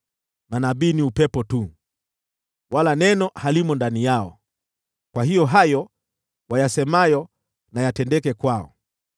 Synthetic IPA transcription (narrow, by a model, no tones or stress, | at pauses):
manaɓiːniupɛpɔtu | walanɛnɔhalimɔndanijaɔ̰ | kwahijɔɦajɔ | wajasɛmajɔ | najatɛndɛkɛkwaɔ̰